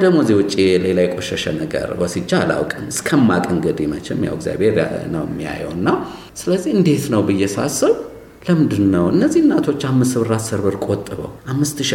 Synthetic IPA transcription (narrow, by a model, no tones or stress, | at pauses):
d̪əɡmozewɔt͡ʃʼːelelajkʼoʃɛʃɛnəɡə̰ɾbəsit͡ʃːa̰la̰wkʼɨnɨskʰəmːakʼɨŋɡəd̪imə̰t͡ʃɛ̰mja̰wəɡzja̰bhe̞ɾ̰nə̰wɪ̰mːija̰jɛ̰wɨnːa | sɨləzːihɨnd̪e̞t̪nəwbɨjːɛsasəβ | ləmɨnd̪ɨnːəwɨnːəzːihnːat̪ʰo̞t͡ʃːamːɨsɨβɨɾasəɾβɨɾkʼot̪ʼːɨβə̰wʔamːɨst̪ɨʃ